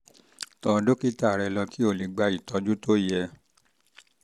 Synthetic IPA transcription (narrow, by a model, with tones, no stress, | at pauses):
tɔ̃˧do˦ki˦ta˦˨ɾɛ˧lɔ˧ki˦o˦˨li˨˧ɡ͡ba˧i˨tɔ˧˦d͡ʒu˦to˦˨jɛ˧